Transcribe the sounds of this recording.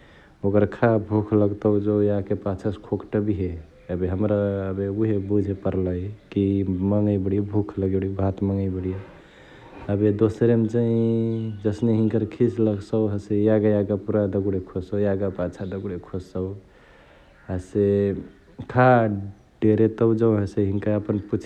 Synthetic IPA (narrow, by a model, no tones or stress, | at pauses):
okəɾkʰabʱukʰləɡt̪əʊd͡ʒojakepat͡ʃʰəskʰokʈəbiɦe | əbeɦəmɾaəbeuɦebud͡ʒʱepəɾləjkiməŋɡəjbəɽijebʱukʰləɡebɽibʱat̪məŋɡəibəɽije | əbed̪osɾemt͡ʃaĩd͡ʒəsneɦiŋkəɾkʰisləɡsəɦəsejaɡajaɡapuɾad̪əɡuɽekʰosəwjaɡapat͡ʃʰad̪əɡuɽekʰossəw | ase | kʰa | ɖeɾet̪əwd͡ʒəwɦəseɦiŋkaəpənput͡ʃʰ